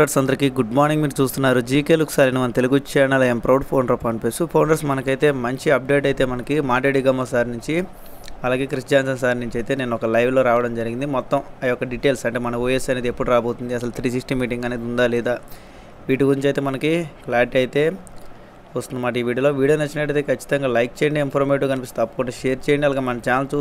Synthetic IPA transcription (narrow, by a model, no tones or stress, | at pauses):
ɐʈsɐnd̪ɐɾikiɡuɖmaːɾniŋɡmiːɾut͡ʃuːst̪unːaːɾud͡ʒiːkeluksaːɾɐnimɐnɐt̪eluɡut͡ʃɛːnɐlɐjɐmpɾɐwʈpʰoːnɾopɐɳpeːsupʰɐwɳɖɐɾsmɐnɐkɐjt̪e̞ːmɐɲt͡ʃiɐp̚ɖe̞ːʈɐjt̪e̞ːmɐnɐkimaːʈɾeɽiɡɐmɐːsaːɾinuɲt͡ʃi | ɐlaːɡe̞ːkɾisd͡ʒaːns̬ɐns̬aːɾinuɲt͡ʃɐjt̪e̞ːne̞ːnuɔkɐlɐjʋlo̞ːɾaːʋɐɽɐmd͡ʒɐɾiɡind̪imɔt̪ːɐmɐjɔkːɐɖiʈe̞ːlsɐɳʈemɐnɐuːjesɐneːd̪iepːuɽuɾaːbo̞ːt̪und̪iɐs̬ɐlut̪ɾiːs̬isʈimːiːʈiŋɡɐne̞ːd̪und̪aːlɛːd̪aː | ʋiːʈuɡuɾiɲt͡ʃɐjt̪eːmɐnɐkiklaːɾʈɐjt̪e̞ː | t͡ʃust̪und̪ɐmaːʈ̬ɐiːʋiːɽiuɐloːʋiːɽjoːnɐt͡ʃːinɐʈɐjt̪eːkʰɐt͡ʃːi̥t̪ɐŋɡaːlɐjk̚t͡ʃejɳɖeinpʰɐɾmeːʈuːkɐnip̬ist̪ːɐpːɐ̥kuɳɖaʃeːɾt͡ʃeːjɐɳɖiɐlaːɡeːmɐnɐt͡ʃaːnɐlst͡ʃuː